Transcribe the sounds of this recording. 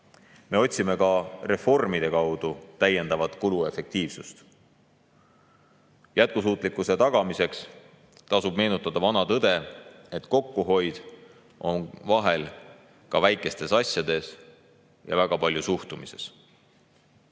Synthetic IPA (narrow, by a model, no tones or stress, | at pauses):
me̞o̞t̪ʲsime̞kɑre̞fo̞rmid̪̥e̞kɑwd̪̥ut̪æjːe̞nd̪ɑvɑt̪ˑkulue̞fe̞k̚t̪iːvsust̪ | jæt̪̚kus̬uːt̪ˑlikːˑuse̞t̪ɑɡ̥ɑmise̞ks | t̪ɑsub̥̚me̞ːnut̪ːˑɑd̪̥ɑvɑnɑt̪ɤd̪̥e̞e̞t̪ko̞kːuɦo̞jd̪̥ | ʔo̞nvɑɦe̞l | kɑvæjkːˑe̞st̪e̞sɑsʲjɑd̪e̞s | jɑ̰væɡ̥ɑpɑlʲjusuht̪umise̞s